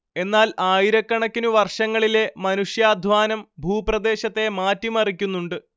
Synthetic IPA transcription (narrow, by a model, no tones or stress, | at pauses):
e̞nːaːlaːjiɾɐkːɐɳɐkʲːinuʋɐrʂɐŋːɐɭile̞mɐnuʂjaːd̪ʱʋaːnɐmbʱuːprɐd̪e̞ːɕɐt̪ːe̞maːtːimɐrikʲːunːuɳɖɨ